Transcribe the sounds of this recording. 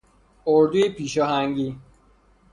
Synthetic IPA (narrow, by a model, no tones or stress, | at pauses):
oɾd̪ujepʰiːʃɒːɦæŋɟiː